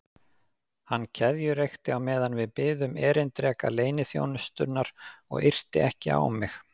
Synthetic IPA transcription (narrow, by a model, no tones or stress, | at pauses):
hanːcʰɛðjʏɾejxt̪ɪawmɛːðanvɪðpɪːðʏmɛːɾɪnt̪ɾɛːkaleːjnɪθjo̰ːwnʏst̪ʏɾnaɾ̥ɔ̰ɣɪr̥t̪ɪʔɛhcɪa̰w̰mːɪx